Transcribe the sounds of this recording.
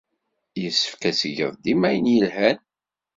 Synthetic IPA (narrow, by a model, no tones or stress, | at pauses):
jəsːə̥fkæsəʝəðˤd̪imæjənjəlhæn